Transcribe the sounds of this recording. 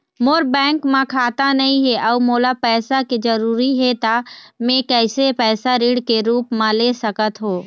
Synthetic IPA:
moːɾbɛ̃ːŋkmãkʰaːt̪anɐɦĩɦɛʔɐʋmoːlapɛːsakid͡ʒɐɾuːɾiɦɛt̪amẽkɛːsepɛːsaɾiːɽkeɾuːpmãleːsɐkət̪ɦoː

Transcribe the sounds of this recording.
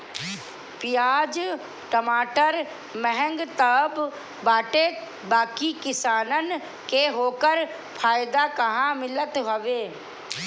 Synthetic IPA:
pɪjaːd͡ʒ | ʈəmaːʈəɾ | mɛɦɛ̃ŋɡt̪əbː | aːʈe | baːkikɪsaːnən | keɦoːkəɾ | pʰaːjɪd̪akɐɦãmɪlət̪ɦoʋeː

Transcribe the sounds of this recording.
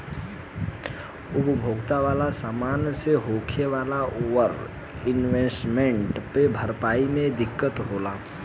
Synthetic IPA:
ʊpbʱoːɡt̪aʋaːlasaːmaːnseɦoːkʰeʋaːlaʔʊwəɾ | ɪnʋesʈmẽɳʈpebʱəɾpaːimẽd̪ɪkːət̪ɦoːlaː

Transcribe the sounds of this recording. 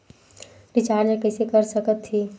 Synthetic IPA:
bit͡ʃaɾnekəɪsekəɾsəkət̪ʰːi

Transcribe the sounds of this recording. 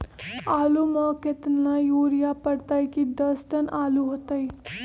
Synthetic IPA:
aːlumɔːkɪt̪najoːɾijapəɽt̪aːikid̪ɐsʈənʔaːluɦoːt̪ai

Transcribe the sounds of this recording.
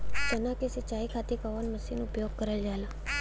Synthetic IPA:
t͡ʃənakesət͡ʃaikʰat̪ʰikaʋanməsinupjoɡ̚kəɾəld͡ʒala

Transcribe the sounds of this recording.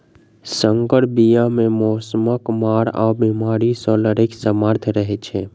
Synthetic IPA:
səŋkəɽbijamẽmɔsəməkmaɾabimaɾisɔləɾiksəmaɾt̪ʰɾəɦet͡ʃʰe

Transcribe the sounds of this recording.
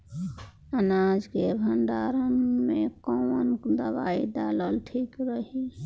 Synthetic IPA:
ənad͡ʒkebʱəɳɖaːɾənmẽkowənkd̪əba̰ːid̪aːləlʈʰiːkɾəɦi

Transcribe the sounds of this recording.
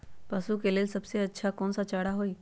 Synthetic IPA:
pɐsukeleːlsɐbseɐtːʃʰakɔːnsat͡ʃaːɽaɦoi

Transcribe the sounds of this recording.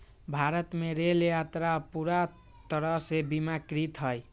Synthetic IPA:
bʱaɾət̪meɾeljat̪ɾapuɾa | t̪əɾʌsebimakɾit̪ɦʌj

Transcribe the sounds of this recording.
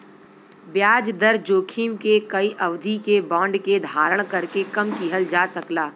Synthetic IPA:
bjaːd͡ʒd̪əɾd͡ʒoːkʰiːmkekɐiʔɐʋd̪ʱikebɔ̃ːɳɖked̪ʱaːɾəɽ̃kɐɾkekɐmkiɦəld͡ʒaːsɐklaː

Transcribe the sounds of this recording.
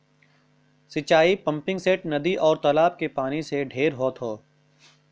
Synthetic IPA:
sɪt͡ʃaːipɐ̃mpɪ̃ŋɡseːʈnɐd̪iʔɔːɾt̪ɔːlaːb̚kepaːniseɖʱeːɾɦoːt̪ɦoː

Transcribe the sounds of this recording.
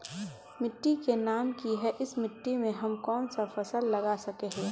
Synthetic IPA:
mɪʈːikenaːmkiɦɛʔɪsmɪʈːimẽɦɐmkɔːnsafɐsəlːɐɡasɐkeɦɛ̃ː

